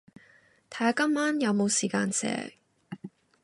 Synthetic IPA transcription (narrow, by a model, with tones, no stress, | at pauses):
t̪ʰa˨˥ja˨˧kɐ˥mːaː˥njɐ˨˧wmo˨˧wsiː˨˩kaː˧nsɛ̰ː˨˧